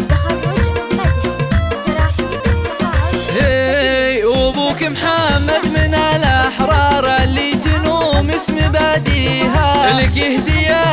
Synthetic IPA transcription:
he | ʔubuːkimħamːad̪mɪnalaħɾˤɑːɾˤalit̪ɪnumɪsmibad̪iːɦalɪkɪhd̪ɪja

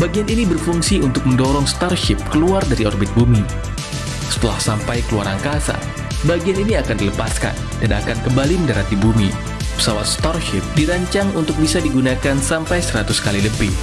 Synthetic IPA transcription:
baɡianinibərfuŋsiunt̪ʊk̚məndɔɾɔŋst̪arʃɪp̚kəluardaɾiɔrbɪt̪̚bumi | sə̥t̪əla̰hsampajkəluaɾaŋkasa̰ | baɡianiniakandiləpaska̰n | dana̰kankəmbaliməndaɾat̪ibumḭ | pə̥sawat̪̚st̪arʃɪp̚diɾaɲt͡ʃaŋunt̪ʊk̚bisadiɡunakansampajsəɾat̪uskaliləbɪh

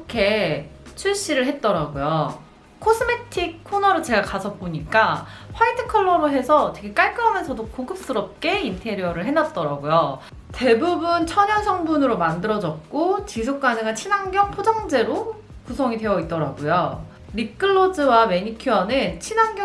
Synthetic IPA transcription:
kʰe̞t͡ɕʰuɭɕ͈iɾɯɭɦe̞t̚t͈ʌɾaɡojo | kʰosʰɯme̞tʰik̚kʰːonʌɾot͡ɕe̞ɡakasʰʌt̚p͈oɲik͈aɸwaitʰɯ̥kʰʌɭːʌɾoɦe̞sʰʌtʰeɡek͈aɭk͈ɯʌmʌnsʰʌdokoɡɯp̚s͈ɯɾʌp̚k͈e̞intʰe̞ɾiʌɾɯɭɦe̞nat̚t͈ʌɾaɡojo | te̞bubunt͡ɕʰʌɲʌnsʰʌŋbunɯɾomandɯɾʌd͡ʑʌk̚k͈ot͡ɕis̬ʰok̚k͈aneɡat͡ɕʰinaŋɡjʌŋpʰod͡ʑʌŋd͡ʑe̞ɾo | kusʰʌŋitwe̞jʌit̚t͈ʌɾa̰ɡojo | ɾik͈ɯɭːod͡ʑɯwame̞ɲikʰiʌnɯnt͡ɕʰinaŋɡj

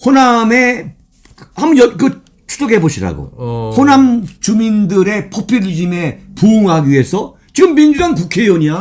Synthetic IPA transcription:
honame̞ | amujʌkɯ | t͡ɕʰu̥soɡeboɕʰiɾa̰ɡo̰honamt͡ɕumindɯɾe̞pʰopʰjuʎid͡ʑime̞puːŋɦaɡiɥiɦe̞sʰʌ | t͡ɕiɡɯmːind͡ʑudaŋkukʰe̞jʌɲa

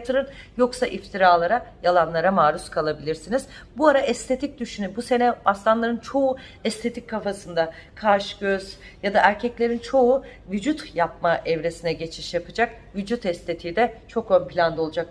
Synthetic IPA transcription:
t̪ʰɯɾɯn | jo̞ksaʔift̪ʰiɾaːlˠaɾajalˠanlˠaɾamaːɾuskʰalˠabilʲiɾsiniz | buaɾaʔɛst̪ʰe̞t̪ʰic̚d̪yʃynybuse̞nɛast̪ˠanlˠaɾɯnt͡ʃʰo̞u | ɛst̪ʰe̞t̪ʰickʰːafasɯnd̪akʰaɾʃɟøz̥ | jad̪aʔæɾcʰɛclʲe̞ɾint͡ʃʰo̞uvyd͡ʒut̪japmaʔɛvɾe̞sinɛɟe̞t͡ʃʰi̥ʃjapʰɯd͡ʒak | vyd͡ʒut̪ʰɛst̪ʰe̞t̪ʰiːd̪ɛt͡ʃʰo̞kønpʰilʲand̪olˠud͡ʒak̚

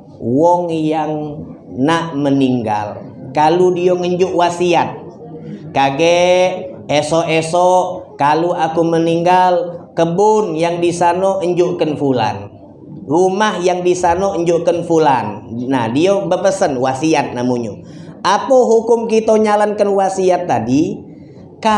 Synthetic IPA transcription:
wɔŋjaŋ | naʔməniŋɡa̰l | kaludioŋəɲd͡ʒʊʔwasiat̪̚ | kaɡe | esɔʔesɔʔkaluakuməniŋɡalkəbʊnjaŋdisanɔʔəɲd͡ʒʊʔkənfula̰n | rumahjaŋdisanɔəɲd͡ʒʊʔkənfulanna̰hdiobəpəsənwasiat̪̚namuɲṵ | atawɦukʊmkit̪oɲalankənwasiat̪ːadi | ka

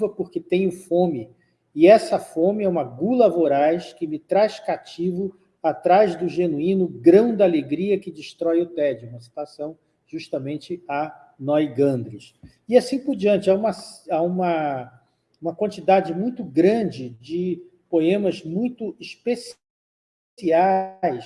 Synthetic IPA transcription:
vɐpʊɾkɪt̪ẽj̃ʊfõmɪ | ɪɛsɐfõmɪɛũmɐɡulɐvoɾajʃkɪmɪt̪ɾajʃkat͡ʃivʊ | at̪ɾajzd̪ʊʒenuĩnʊɡɾɐ̃w̃d̪aleɡɾiɐkɪd͡ʒiʃt̪ɾɔjʊt̪ɛd͡ʒɪũmɐsi̥t̪asɐ̃w̃ | ʒ̥uʃt̪ɐmẽnt͡ʃɪɐ | nɔjɡɐ̃nd̪ɾɪs | ɪasĩpʊɾd͡ʒiɐ̃nt͡ʃɪaũmɐsaũmɐ | ũmɐkwɐ̃nt͡ʃid̪ad͡ʒɪmũj̃t̪ʊɡɾɐ̃d͡ʒɪd͡ʒɪ | poẽmɐzmũj̃t̪ʊiʃpes | iajs

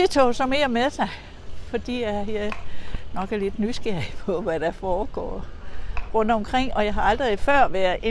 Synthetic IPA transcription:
et͡sʰosɒ̽meɐmeðˠsɑ̈ɪ | fɒ̽d̥ḭːjæe | nɒ̽ɡ̥æle̝d̥nysɡ̥ɛɐpʰɒ̽ʋæd̥æfɒːɡ̥ɒ̰ː | ʁɔ̽n̰d̥ɒ̽mkʰʁeŋ̰ɒ̽jɑ̈ɪɦɑ̈ɑ̈ld̥ʁið̩ˠfɶɐ̰ʋæɐðˠe

